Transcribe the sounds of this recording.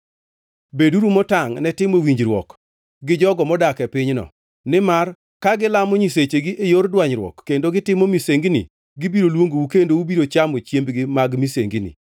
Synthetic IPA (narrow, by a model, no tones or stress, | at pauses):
beduɾumɔtaŋnɛtɪmowiɲd͡ʒɾwɔ̰k | ɡɪd͡ʒɔɡɔmɔdakɛpɪɲnɔ̰ | nɪmar | kaɡɪlamɔɲis̬et͡ʃeɡiʔejordwaɲɾwɔ̰kːendoɡɪtɪmomiseŋɡinḭ | ɡɪbiɾolwoŋɡowukendoubiɾot͡ʃamot͡ʃjembɡɪmaɡmiseŋɡinḭ